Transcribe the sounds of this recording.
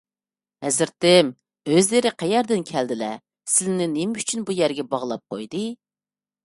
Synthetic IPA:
hɛzɪɾt̪ɪm | øzleɾɪqʰæjɛɾd̪ɪnkʲʰæld̪ɪlɛ | sɪlnɪnemɪyt͡ʃʰynbujæɾɡʲɛbɑʁlˠɑp̚qʰo̰jd̪ɨ

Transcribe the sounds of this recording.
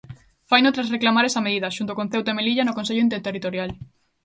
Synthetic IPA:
fajnot̪ɾasreklamaɾɛsɐmeðiðɐʃunt̪okon̟θewt̪emeliʎanʊkõnseʎʊint̪̬eɾt̪erit̪oɾjal

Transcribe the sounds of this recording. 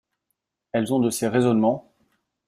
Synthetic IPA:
ɛlzɔ̃d̪əseʁezɔnmɑ̃

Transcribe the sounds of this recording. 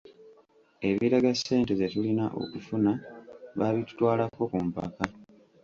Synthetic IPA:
e̞βiɾaɡasːe̞ːnte̞zetulinaʔo̞̰kufunaβaβitu̥twaːlako̞kumpa̰ka

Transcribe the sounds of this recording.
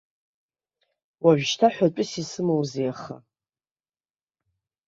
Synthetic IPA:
waʒᶣʃtʰaħʷaʈ͡ʂʷʼʊsisɨmowzeaχa̰

